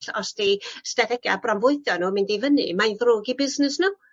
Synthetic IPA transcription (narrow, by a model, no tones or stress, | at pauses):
ɬɔsdistɛtʰɛɡja̰brɔmvʊɨθjɔnuːmɪndivənɨ̰majnðroːɡibɪznɪsnuː